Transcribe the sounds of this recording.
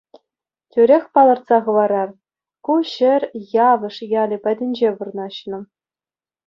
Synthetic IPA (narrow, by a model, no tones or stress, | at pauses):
tʲyɾʲexʲpɑlˠɤ̆rt̪sɑʁɤ̆ʋɑɾɑr | kuɕɘ̆rʲjɑʋɤ̆ʂjɑlʲɘ̆pʲæ̆dʲɘ̆nʲd͡ʑeʋurnɑɕnɤ̆